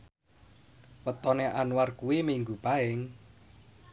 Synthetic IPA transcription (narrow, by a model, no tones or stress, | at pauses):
wət̪ɔneʔanwarkuwimiŋɡupaɪŋ